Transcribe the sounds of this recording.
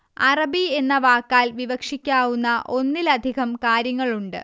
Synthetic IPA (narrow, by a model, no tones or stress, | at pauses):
ɐrɐbie̞nːɐʋaːkːaːlʋiʋɐkʂikʲːaːwunːɐʔo̞nːilɐd̪ʱiɣɐmkaːɾjɐŋːɐɭuɳɖɨ̰